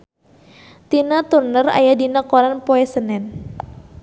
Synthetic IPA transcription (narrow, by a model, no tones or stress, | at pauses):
t̪inat̪urnəra̰jadinakɔɾanpoɛsənɛn